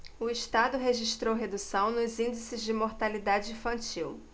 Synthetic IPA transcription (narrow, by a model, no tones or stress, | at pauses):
ʊiʃt̪ad̪ʊɦeʒiʃt̪ɾowɦed̪usɐ̃w̃nʊzĩd͡ʒisɪzd͡ʒɪmoɾt̪alid̪ad͡ʒɪĩfɐ̃nt͡ʃiw